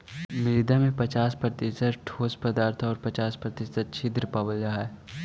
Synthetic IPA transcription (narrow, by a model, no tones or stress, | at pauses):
mɪɾd̪amẽpɐt͡ʃaːspɾət̪ɪsət̪ʈʰoːspəd̪aːɾt̪ʰɔːɾpɐt͡ʃaːspɾət̪ɪsət̪̚t͡ʃʰɪd̪ɾəpabəld͡ʒaɦɛ